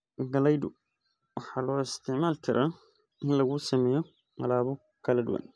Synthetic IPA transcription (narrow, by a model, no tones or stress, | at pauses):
ɡɐlɛjd̪ʊ | wɑħɑːlɔːɪst̪ʰɪʕmaːlt̪ʰɪɾʔaː | ʔɪnlɐɣuːsɐmɛːjɔ | qɑlaːβɔ | kʰɐlɐd̪ʊ̰wa̰n